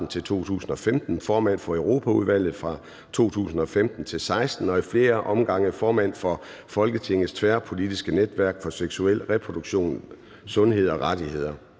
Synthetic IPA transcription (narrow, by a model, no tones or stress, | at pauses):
n̩t͡sʰe̝lt͡sʰo̝̰ːt͡sʰṵːsn̩ɒ̽femd̥n̩fɒːmæn̰fɒ̽øʊʁo̝ːpʰæuð̞ˠʋæl̰ð̩ˠfʁɑ̈ | t͡sʰo̝̰ːt͡sʰṵːsn̩ɒ̽femd̥n̩t͡sʰe̝lsɑ̈ɪsd̥n̩ɒ̽ifle̝ːɐʔɒ̽mɡ̥ɑ̈ŋ̰əfɒːmæn̰fɒ̽ | fɒ̽lɡ̥ət͡sʰe̝ŋð̩ˠst͡sʰʋæɐpʰo̝lid̥isɡ̥əned̥ʋæɐ̰ɡ̥fɒ̽seɡ̥suel̰ʁɛpʰʁo̝d̥uɡ̥ɕo̝̰ːn | sɔ̽nɦe̝ð̞̰ˠɒ̽ʁɑd̥ihe̝ð̰ˠɐ